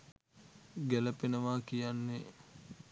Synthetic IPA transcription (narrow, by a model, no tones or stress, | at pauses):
ɡæləpenəʋaːkijanːe